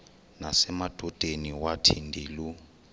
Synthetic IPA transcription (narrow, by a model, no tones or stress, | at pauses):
nasɛmad̥ʱɔd̥ʱeniwatʰindʱiːlu